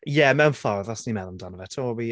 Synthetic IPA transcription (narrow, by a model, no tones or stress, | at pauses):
jɛmɛwnfɔɾðɔsnimɛðˠɔmdɔnəvɛtʰoːbi